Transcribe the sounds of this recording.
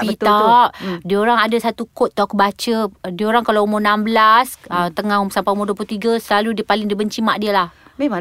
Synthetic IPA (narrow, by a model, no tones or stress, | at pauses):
bit̪aʔdiəoɾaŋadasat̪ukot̪̚ːɔkəbat͡ʃədiəoɾaŋkalawumʊnambəlasət̪əŋahumsampaumʊduəp̬lut̪iɡəsəlaludiəpalɪŋdibəɲt͡ʃimaʔdiəlah